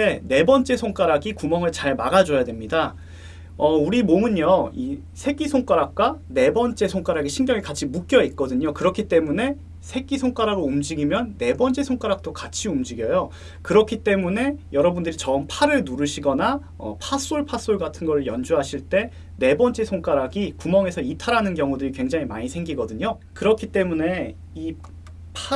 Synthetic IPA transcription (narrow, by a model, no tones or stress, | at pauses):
ene̞bʌnt͡ɕ͈e̞sʰoŋk͈aɾaɡikumʌŋɯɭt͡ɕaɭmaɡad͡ʑʌjadwe̞mɲida | ʌuɾimomɯɲoi | sʰe̞ɡisʰoŋk͈aɾak̚k͈wane̞bʌnt͡ɕ͈e̞sʰoŋk͈aɾaɡiɕʰinɡjʌŋikat͡ɕʰimuk͈jʌit̚k͈ʌdɯɲokɯɾʌkʰit͈e̞mune̞ | sʰe̞ɡisʰoŋk͈aɾaɡɯɭumd͡ʑiɡimjʌnːe̞bʌnt͡ɕ͈e̞sʰoŋk͈aɾak̚t͈okat͡ɕʰiumd͡ʑiɡjʌjo | kɯɾʌkʰit͈e̞mune̞jʌɾʌbundɯɾit͡ɕʌɯmpʰaɾɯɭnuɾɯɕʰiɡʌna | ʌ̰pʰas͈oɭpʰas͈oɭɡatʰɯnɡʌɾɯɭjʌnd͡ʑuɦaɕʰiɭt͈e̞ | ne̞bʌnt͡ɕ͈e̞sʰoŋk͈aɾaɡikumʌŋe̞sʰʌitʰaɾanɯnkjʌŋudɯɾikwe̞ŋd͡ʑaŋimaɲisʰe̞ŋɡiɡʌdɯɲo | kɯɾʌkʰit͈e̞mune̞ | i | pʰ